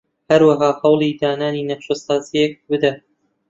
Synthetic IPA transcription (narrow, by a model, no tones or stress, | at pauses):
hɐɾwaɦɑːhɐwlˠid̪aːnaːniːnɐqʃosaːzijek̚bɨd̪a